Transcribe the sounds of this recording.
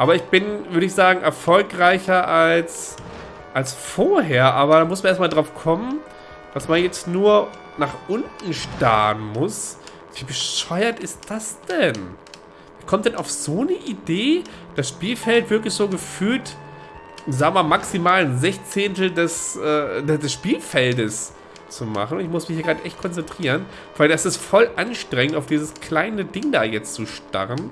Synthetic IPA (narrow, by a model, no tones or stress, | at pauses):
ʔaːbɐɪçb̥ɪnvʏɐɾəɪçz̥aːɡŋ̩ʔɛɐfɔlkʁaɪçɐʔals | ʔalsfoːɐɦeːɐʔaːbɐɾaːmʊsmaneːɐtmaːldʁaʊfkʰɔmən | d̥asmanjɛt͡stnuːɐ | naːχʔʊntn̩ʃta̰ːɐnmʊs | v̥iːbəʃɔʏɐtɪst̚d̥asd̥ɛn | vikʰɔmtd̥ɛnʔaʊfz̥oːnəʔideːd̥asʃpiːlfɛltv̥ɪɐklɪçz̥oːɡəfyːlt | zaːɡəmaːmaksimaːlənzɛçt͡seːntl̩dɛsʔɛːdɛdɛsʃpiːlfɛldəs | t͡suma̰χn̩ʊntɪçmʊsmɪçhiːɡʁaːdəʔɛçt̚kʰɔnt͡sɛntʁ̥iːʁən | v̥aɪldasɪstfɔlʔanʃtʁ̥ɛŋəntaʊfd̥iːzəskʰl̥aɪnədɪŋdaːjɛt͡st͡suʃta̰ʁən